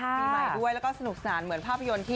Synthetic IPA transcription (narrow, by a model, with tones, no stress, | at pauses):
aː˥˦˥aː˨˩du˥˩əjlɛ˦˥kɔː˥˩sa˧nu˨˩k̚saː˩˦nmɯ˩˦ənpʰaː˥˩pʰːa˧jo˧nt̪ʰiː˥˩